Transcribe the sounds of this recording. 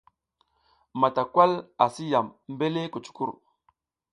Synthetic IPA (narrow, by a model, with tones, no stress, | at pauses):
ma˨ta˨kwa˦la˨si˦ja˨mm˦be˦le˦ku˨t͡ʃu̥˦kṵ˦ɾ